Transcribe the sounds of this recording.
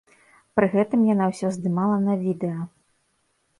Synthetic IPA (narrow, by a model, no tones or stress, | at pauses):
pɾɨɣɛt̪ɨmjanawsʲɔzd̪ɨmalˠɐnɐvʲid̪ɛjɐ